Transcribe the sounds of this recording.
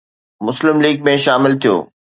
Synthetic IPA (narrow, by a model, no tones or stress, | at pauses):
mʊslɪmliːɡ̚mẽʃaːmɪlt̪ʰijo̰ː